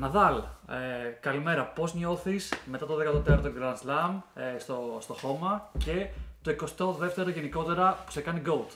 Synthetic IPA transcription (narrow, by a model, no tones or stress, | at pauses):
nɐðɐlekɐlime̞ɾɐpo̞zɲo̞θisme̞t̪ɐt̪oðekɐt̪ot̪eɾot̪oɡɾɐnslɐmst̪ost̪o̞xo̞mɐce̞t̪o̞ikost̪o̞ðe̞ft̪e̞ɾo̞ʝe̞niko̞t̪e̞ɾɐpu̥se̞kɐniɡo̞lt̪